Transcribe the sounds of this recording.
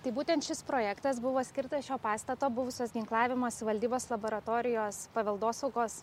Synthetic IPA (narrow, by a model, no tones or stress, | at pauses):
t̪ɐɪbuːt̪ʲɛnt̪ʃʲɪspɾoːjɛkt̪ɐs̬bʊʋoːsʲkʲɪɾt̪ɐʃʲoːpɑːst̪ɐt̪oːbʊʋʊsʲoːsɡʲɪŋklˠɑːʋʲɪmoːsʲɪʋɐlʲd̪ʲiːboːslˠɐboːɾɐt̪oːɾʲɪjoːspɐʋʲɛlˠd̪oːsɐʊkoːs